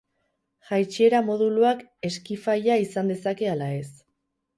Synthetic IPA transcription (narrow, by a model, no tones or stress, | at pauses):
ʝajt͡ʃie̞ɾamo̞ð̞uluake̞skifajaisand̪e̞sake̞alae̞s